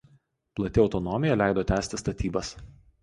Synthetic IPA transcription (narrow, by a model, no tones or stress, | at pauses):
plˠɐt̪ʲɪɒʊt̪ɔnɔmʲɪjɛlʲæˑɪd̪oːt̪ʲæːsʲt̪ʲɪst̪ɐt̪ʲiːbɐs